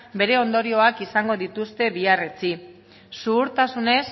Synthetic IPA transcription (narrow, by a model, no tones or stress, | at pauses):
be̞ɾe̞o̞nd̪o̞ɾio̞akisaŋɡo̞ðit̪ust̪e̞βiaret͡si | suːɾt̪asune̞s